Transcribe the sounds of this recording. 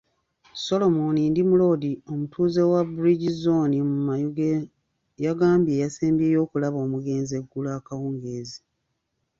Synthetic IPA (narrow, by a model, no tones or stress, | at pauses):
so̞lo̞monindimulo̞ːdio̞mutʰuːze̞wabuɾiɟizo̞nimumajuɡe | jaɡaːmbje̞jaseːmbjeːjo̞ːkulaβo̞ːmuɡe̞ːnze̞ɡːulaːkawuːŋɡeːzi